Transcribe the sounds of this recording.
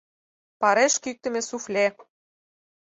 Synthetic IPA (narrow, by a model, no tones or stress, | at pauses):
pɑɾeʃkyk̚t̪ɘ̆mĕsuflʲe